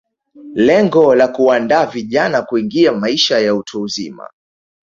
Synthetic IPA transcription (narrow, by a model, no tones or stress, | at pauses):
lɛŋɡɔlakuandaːviʄanakuiŋɡiamaiʃajautʰuːzḭma̰